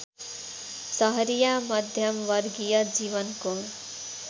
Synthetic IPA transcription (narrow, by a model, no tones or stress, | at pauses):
sʌɦʌɾijamʌd̪ʱjʌmwʌrɡijʌd͡ziβʌnko